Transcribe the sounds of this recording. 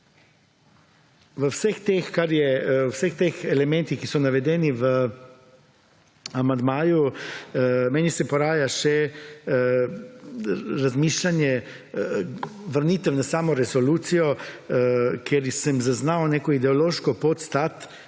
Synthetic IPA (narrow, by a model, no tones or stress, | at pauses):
ʋəwsəxt̪exkaɾjɛwsəxt̪eːxɛlɛmɛnt̪ixkisɔnaʋɛd̪ɛːniʋə | amand̪maːju | mɛːnisɛpɔɾaːjaʃɛ | ɾazmiːʃlanjɛ | ʋəɾnit̪ɛwnasaːmɔɾɛsoluːt̪sijɔ | kjeɾsəmzaznaːwneːkɔid̪ɛoloːʃkɔpot̪st̪at̪